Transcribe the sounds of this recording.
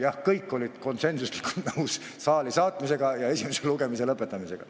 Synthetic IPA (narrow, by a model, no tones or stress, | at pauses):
jɑhkɤjkːo̞lʲid̪̥ko̞nse̞nsuslikːult̪nɤws | sɑːlisɑːt̪ˑmise̞ɡ̥ɑjɑe̞simeseluɡe̞mise̞lɤpːˑe̞t̪ːˑɑmise̞ɡ̥ɑ̰